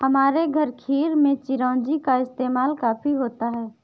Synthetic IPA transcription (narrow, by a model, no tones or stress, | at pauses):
ɦəmaːɾeɡʱəɾkʰiːɾmẽt͡ʃɪɾãːd͡ʒikaɪst̪eːmaːlkaːpʰiɦoːt̪aɦɛː